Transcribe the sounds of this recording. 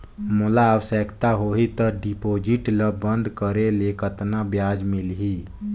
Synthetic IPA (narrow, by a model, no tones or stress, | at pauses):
mulaəwəsəkt̪aɦoɦit̪əɖipod͡ʒiʈləbənd̪ʱkəɾelekət̪nabjad͡ʒmilɦi